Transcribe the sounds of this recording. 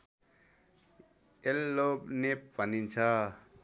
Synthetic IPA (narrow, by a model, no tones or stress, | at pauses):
elːobneppanint͡sʰa